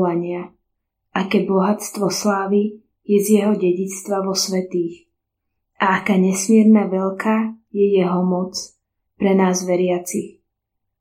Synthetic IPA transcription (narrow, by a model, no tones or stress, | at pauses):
ʋaɲɪa | ʔakɛbɔɦat͡st̪ʋɔslaːʋi | jɛzjɛɦɔɟɛɟit͡st̪ʋaʋɔsʋɛt̪iːx | ʔaakaːɲɛsmɪɛɾnaʋɛʎkʰajɛjɛɦɔmɔt͡s | pɾɛnaːzʋɛɾɪat͡six